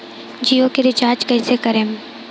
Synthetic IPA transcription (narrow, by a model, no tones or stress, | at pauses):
d͡ʒiːokeɾɪt͡ʃaːɾd͡ʒkɐɪsekəɾeːm